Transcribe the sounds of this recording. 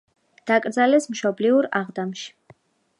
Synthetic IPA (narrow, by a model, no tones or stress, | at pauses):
d̪̥akʼɾd̪zalɛsmʃɔbliuɾaʁd̪amʃi̥